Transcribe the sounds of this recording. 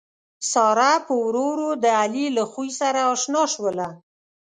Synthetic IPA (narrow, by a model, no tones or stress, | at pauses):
sɑɾapəwɾoɾod̪əalilaxujsaɾaːʃnɑʃwəla